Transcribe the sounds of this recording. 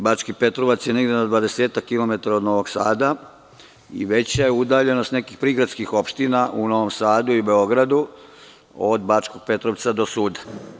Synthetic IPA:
bat͡ʃkipe̞t̪ɾoʋat̪sjene̞ɡd̪enad̪ʋad̪e̞seːt̪akːilo̞me̞t̪aɾaod̪no̞ʋo̞ɡsa̰ːd̪a | ḭʋe̞t͡ɕajeud̪aːʎe̞nost̪ne̞kixpɾiːɡɾad̪skixo̞pʃt̪inaʔuno̞ʋomsaːd̪uiube̞o̞ɡɾad̪u | od̪bat͡ʃko̞ɡ̚pe̞t̪ɾoʋt̪sad̪o̞suːd̪ḁ

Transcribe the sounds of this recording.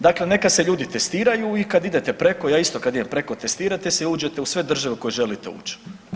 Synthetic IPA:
d̪akle̞ne̞kase̞ʎuːd̪it̪est̪iːɾajuikad̪id̪et̪e̞pɾe̞kojaːist̪o̞kad̪id̪empɾe̞ko̞t̪est̪iːɾat̪eseuːd͡ʒe̞t̪eusʋe̞d̪r̩ʒaʋekojeʒe̞lit̪eṵːt͡ʃe̥

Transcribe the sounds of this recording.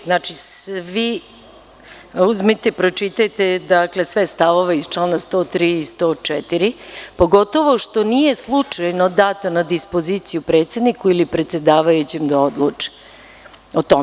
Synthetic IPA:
znat͡ʃisʋi | uzmit̪epɾo̞t͡ʂit̪ajt̪ed̪akle̞sʋest̪aʋoʋeist͡ʃlanast̪oːt̪ɾiːst̪ot͡ʂɛt̪iɾipo̞ɡo̞t̪oʋo̞ʃt̪o̞nije̞slˠut͡ʂajno̞d̪aːt̪onad̪ispo̞zit̪sijupɾeːt̪se̞d̪nikuilipɾet̪se̞d̪aːʋajut͡ɕemd̪aod̪lˠut͡ʂɛ̥ | ot̪ome

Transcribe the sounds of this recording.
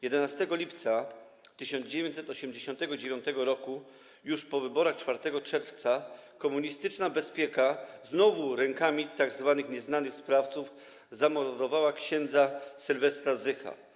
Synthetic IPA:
jɛd̪ɛnast̪ɛɡɔlʲipt̪sa | t̪ɘɕɔnd̪d͡ʑevʲjeɲt͡ɕ̪ʲsɛt̪ɔɕɛmd͡ʑeɕɔnt̪ɛɡɔd͡ʑevʲjɔnt̪ɛɡɔɾɔku | juʂpɔvɘbɔɾaxt͡ʂfaɾt̪ɛɡɔt͡ʂɛɾft̪sakɔmuɲist̪ɘt͡ʂnabɛspʲjɛkaznɔvuɾɛŋkamʲit̪aɡzvanɘxɲɛznanɘxspɾaft̪suf | zamɔɾɔd̪ɔvawakɕɛnd̪zasɘlvɛst̪azɘxa̰

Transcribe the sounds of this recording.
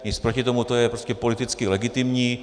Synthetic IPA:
ɲɪt͡spɾo̞cɪt̪o̞mut̪ojɛpɾoscɛpo̞lɪt̪ɪt͡skɪlɛɡɪt̪ɪmɲiː

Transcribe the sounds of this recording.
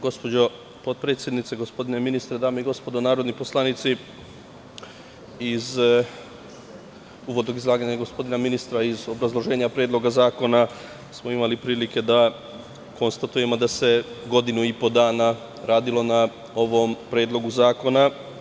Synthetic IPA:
ɡo̞spo̞d͡ʑo̞ | po̞d̪̚pɾe̞ːt̪sjed̪nit̪se̞ɡo̞spo̞d̪ine̞minist̪ɾed̪aːmeiɡo̞spo̞d̪o̞naːɾo̞d̪nipo̞slˠanit̪si | iz | uːʋod̪no̞ɡizlˠaːɡaɲaɡo̞spo̞d̪inaminist̪ɾaizo̞bɾazlˠo̞ʒe̞ːɲapɾeːd̪lo̞ɡazaːko̞na | smo̞imalipɾiːlike̞d̪a | ko̞nst̪at̪uje̞mo̞d̪ase̞ɡo̞d̪inuipo̞d̪aːna | ɾaːd̪ilo̞na | o̞ʋo̞mpɾeːd̪lˠo̞ɡuzaːko̞na

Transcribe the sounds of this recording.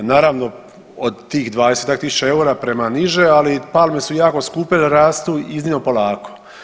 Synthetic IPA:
naːɾaːʋno̞ | od̪t̪iːxd̪ʋaːd̪eset̪akt̪isu̥t͡ʃae̞uɾapɾe̞maniʒealipalˠmesujaːko̞skuːpeleɾaːst̪uiznimnopo̞laːko̥

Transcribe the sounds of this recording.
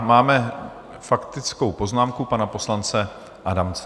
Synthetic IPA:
maːmɛ | fakt̪ɪt͡skowpo̞znaːmkupanapo̞slant͡sɛ | ʔadamt͡s

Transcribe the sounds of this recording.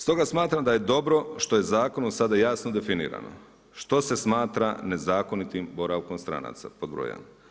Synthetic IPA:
st̪o̞ɡasmaːt̪ɾamd̪aje̞d̪o̞bɾo̞ʃt̪o̞je̞zaːko̞nusad̪ajaːsnod̪e̞finḭːɾa̰no̰ | ʃt̪o̞se̞smaːt̪ɾane̞zaːko̞nit̪imbo̞ɾaʋko̞mst̪ɾa̰na̰ːt̪sa̰po̞d̪̚bɾo̰ja̰n

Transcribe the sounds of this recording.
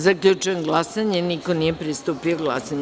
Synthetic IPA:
zakʎut͡ʃuenɡlˠasaɲenikonijepɾist̪upioɡlˠa̰saɲ

